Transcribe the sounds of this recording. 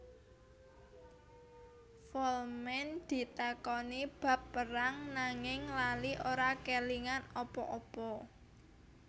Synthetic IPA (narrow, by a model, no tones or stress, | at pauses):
fɔlmɛnd̪̥i̤t̪akɔnib̥ä̤pːəɾaŋnaŋɪŋlaliʔoɾakeliŋanɔpɔ̰ʔɔpɔ